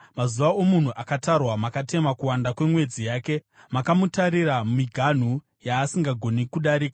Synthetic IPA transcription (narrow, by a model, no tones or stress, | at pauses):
mazuʋao̞mun̤uʔakatarwamakate̞makuwandakwe̞mwe̞d͡zijaːke̞ | makamutaɾiɾamiɡʱan̤u | jaːsiŋɡaɡʱo̞nikuɗaɾiːka